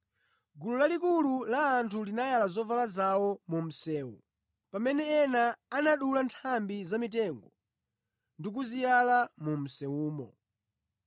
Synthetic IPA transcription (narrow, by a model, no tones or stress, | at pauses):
ɡululalik̬ululaːntʰulinajalazɔvalazawɔmum̩sɛːwṵ | pamɛnɛːnaːnaɗulantʰambizamit̬ɛŋɡɔ | ndik̬uzijalamum̩sɛuːmɔ̰